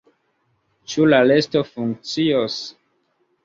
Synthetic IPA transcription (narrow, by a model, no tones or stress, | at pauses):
t͡ʃulale̞stofuŋk̚t͡sios